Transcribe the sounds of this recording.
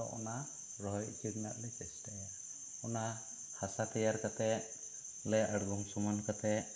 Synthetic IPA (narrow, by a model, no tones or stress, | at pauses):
ɔ̰ʔɔna | ɾɔɔjd͡ʒiɡna̰ʔlɛt͡ʃɛsʈaja | ɔna | hasat̪ɛjaɾkat̪ɛʔ | lɛʔəɽɡɔŋsɔmɔnkat̪ɛ